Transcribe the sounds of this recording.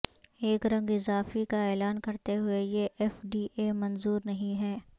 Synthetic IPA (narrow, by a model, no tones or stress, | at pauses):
eːkɾɐ̃ŋɡɪzaːfikaɛːlaːnkɐɾt̪eɦʊejeʔɛfɖiːʔemɐnzuːɾnɐɦĩɦɛː